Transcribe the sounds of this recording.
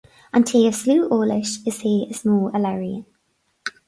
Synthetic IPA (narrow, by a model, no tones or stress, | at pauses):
ə̃ntʰiːəv̥sluːʔoːlɪʃɪz̥hiːəsmɔːləlɛɹiə̰